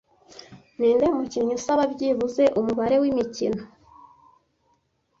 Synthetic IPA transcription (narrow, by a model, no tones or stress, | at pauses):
niːndemuciːɲ̥usaβabɟiːβuze̞ʔumuβaɾe̞wimicino